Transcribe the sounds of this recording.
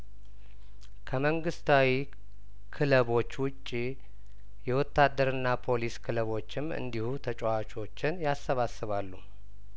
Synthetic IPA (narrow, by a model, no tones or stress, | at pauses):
kʰəməŋɡɨst̪ʰawi | kʰɨləβo̞t͡ʃːwʊt͡ʃʼːi | jɛwɔt̪ːad̪ːəɾɨnːapʰo̞liskʰɨləβo̞t͡ʃːɪmɨ̰nd̪ihut̪ʰət͡ʃʼoat͡ʃʼo̞t͡ʃːɪnjasːəβasɨβalːu